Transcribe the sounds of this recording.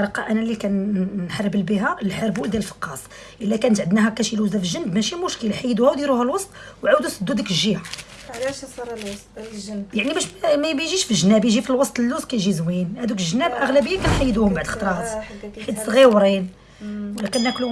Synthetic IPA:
ɾˤɑqːɑʔænælikænːħarˤːəbəlbiɦælħəɾbuld̪jæləlfɑ̥qːɑsˤ | ʔəlːækænət̪ʕəd̪næɦækæʃiluzæfəʒənbmæʃimʊʃkəlħajːd̪uhæwd̪jiɾuhælwɑsˤt̪ˤwʕawd̪usəd̪ːud̪əkʒːia | jaʕnibæʃmæmæjʒiʃfəʒənæbjʒifilwɑsˤt̪ˤəlːuskæjʒizwinhæd̪ukʒənːæbʔəɣlæbəjːakænħajːd̪uhʊmbaʕd̪xt̪ɾˤɑt̪ħid̪sˤɣiwɾin | wlækənːæklu

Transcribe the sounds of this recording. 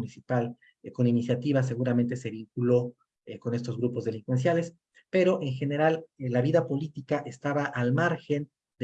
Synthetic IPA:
nisipal | ko̞ninisjat̪iβas̬e̞ɣuɾamẽ̞nt̪e̞se̞βiŋkulo̞ | ko̞ne̞st̪o̞zɣɾupozðelĩŋkwe̞ns̬jale̞s | pe̞ɾo̞ʔe̞ŋxe̞ne̞ɾallaβiðapo̞lit̪ikaʔe̞st̪aβaʔalmaɾxe̞n | d̪

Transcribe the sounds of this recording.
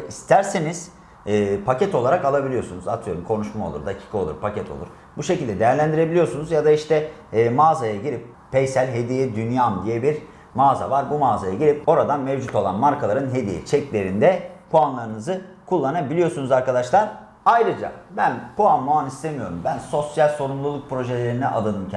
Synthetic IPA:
ist̪ʰæɾseniz̥ː | pʰacɛt̪ʰo̞lˠaɾakalˠabilʲijo̞sunuzat̪ʰɯjo̞ɾumkʰo̞nuʃmao̞̰lˠuɾd̪acʰi̥ːkʰao̞lˠṵɾpʰacɛt̪ʰolˠṵɾ | buʃecʰilʲd̪ɛd̪e̞jæɾlʲænd̪iɾe̞bilʲijo̞ɾsunuzjad̪aiʃt̪ʰɛmaːzajaɟiɾip̚ːʰejsælʲɦe̞d̪ijɛd̪ynjamd̪ijɛbiɾ | maːza̰vaɾbumaːzajaɟiɾʲipo̞ɾad̪anmɛvd͡ʒut̪ʰo̞lˠanmaɾkʰalˠaɾɯnɦe̞d̪ijɛ̰t͡ʃʰɛclʲe̞ɾind̪ɛpʰuanlˠaɾɯnɯzɯ | kʰulˠːanabilʲijo̞sunuzaɾkad̪aʃlˠaɾ | ajɾɯd͡ʒa̰bænpuanmoanist̪ʰemijo̞ɾumbænso̞sjalʲso̞ɾumlˠulˠuk̚pʰɾo̞ʒelʲe̞ɾinɛʔad̪ˠad̪ɯmcʰ

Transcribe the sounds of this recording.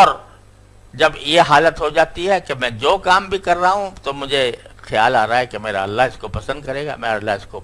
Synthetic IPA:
ɔːɾ | d͡ʒɐbjeɦaːlət̪ɦod͡ʒaːt̪iɦɛkemɛ̃d͡ʒoːkaːmbʱikɐɾːaɦũt̪omʊd͡ʒʱexɪja̰ːlaːɾaaɦɛkemeːɾa̰ɐlːaɦɪskopɐsə̃nd̪̚kɐɾeːɡa̰mɛ̃ːɐlːaɦɪsko

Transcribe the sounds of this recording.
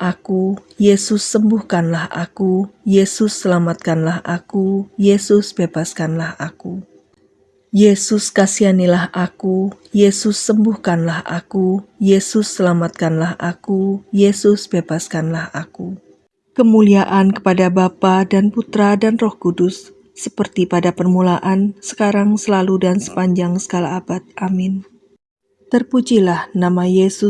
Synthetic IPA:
ʔaku | jesʊsːəmbuhkanlaha̰kujesʊsːəlamat̪̚kanlahʔakujesʊsb̥ebaskanlahaku | jesʊskasianilahʔaku | jesʊsːəmbuhkanlaha̰kujesʊsːəlamat̪̚kanlahʔakujesʊsbebaskanlahaku | kəmuliaʔankə̥padabapadanput̪ɾadanrɔhkudʊsː | əpərt̪ipadapərmulaʔansə̥kaɾaŋsəlaludansə̥paɲd͡ʒaŋsə̥kalaːbat̪̚ʔamɪn | t̪ərpud͡ʒilahnamajesʊ

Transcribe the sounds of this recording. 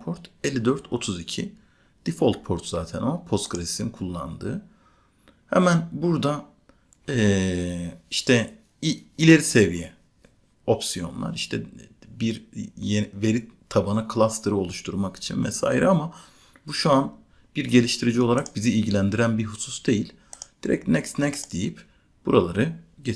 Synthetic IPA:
pʰo̞ɾt̪elʲːid̪øɾt̪ʰo̞t̪ʰuzicʰi | d̪̥ifolʲˠt̪̚pʰoɾt̪ʰz̥aːt̪ʰɛnamapʰost̪kɾesi̥sinkʰulˠːa̰nd̪ɯː | hɛ̰mænbuɾd̪a | ɛ | iʃt̪ʰɛ | iilʲe̞ɾise̞vijɛ | o̞psijo̞̰nlˠa̰ɾiʃt̪ʰɛbiɾjeve̞ɾit̪ʰːabanɯkʰlˠast̪ˠɯɾɯo̞lˠuʃt̪ʰuɾmaki̥t͡ʃʰinmɛ̰sa̰ːjiɾama | buʃuan | b̥iɾɟe̞lʲiʃt̪ʰiɾid͡ʒio̞lˠaɾak̚biziːlʲɟilʲænd̪iɾænbiɾɦususd̪e̞jilʲ | d̪̥iɾɛ̰cnɛcsnɛcsd̪̥ejip | b̥uɾalˠaɾɯɟe

